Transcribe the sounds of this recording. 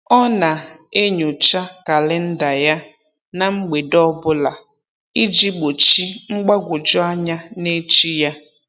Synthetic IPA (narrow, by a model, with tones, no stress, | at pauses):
ɔ˦na˨e˦ɲo˨t͡ʃa˦ka˨lɪ˦n̩˦da˨ja˦ | na˨ŋ͡m̩˦ɡ͡be˨dɔ˦bʊ˦la˨ | i˦d͡ʒi˦ɡ͡bo˨t͡ʃi˦ŋ͡m̩˦ɡ͡ba˦ɡʷʊ˨d͡ʒɔ˦a˦ɲa˦ne˦t͡ʃi˦ja˦